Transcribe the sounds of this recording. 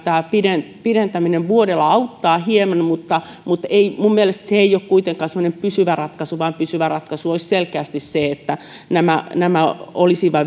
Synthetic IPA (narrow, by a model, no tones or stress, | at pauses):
t̪æːpidenpiɾent̪æmineʋʋuoɾelːˑɑɑut̪ːɑːhiemɑnmut̪ːɑ | mut̪eimummielest̪seeijokkuit̪eŋkːɑːsemːŏnempysyʋærɑt̪kɑsuʋɑːmpysyʋærɑt̪kɑsuoisselkeæst̪isseet̪ːæ | næmænæmæolisiʋɑ